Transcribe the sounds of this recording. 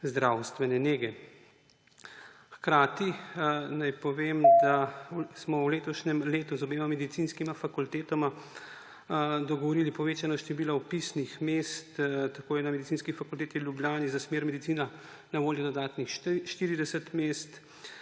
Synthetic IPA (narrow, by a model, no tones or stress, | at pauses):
zd̪ɾawst̪ʋɛnɛneːɡɛ | xkɾaːt̪inajpɔʋeːmd̪asmɔwleːt̪ɔʃnɛmleːt̪uzɔbeːmamɛd̪it̪inskimafakult̪eːt̪ɔma | d̪ɔɡɔʋɔɾiːlipɔʋeːt͡ʃanaʃt̪ɛʋiːlawpisnixmeːst̪t̪akoːjɛnamɛd̪itsinskifakult̪eːt̪iwljubljaːnizasmeːɾmɛd̪it̪siːna | naʋoːljɔd̪ɔd̪aːt̪nixʃt̪iːɾid̪ɛsɛt̪meːst̪